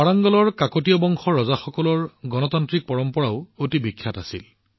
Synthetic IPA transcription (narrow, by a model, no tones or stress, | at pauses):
aɹaŋɡɔlɔɹkakotijɔbɔŋxʰɔɹɔzaxɔkɔlɔɹɡɔnɔtantɹik̚pɔɹɔmpɔɹaʊotibikʰːjatasil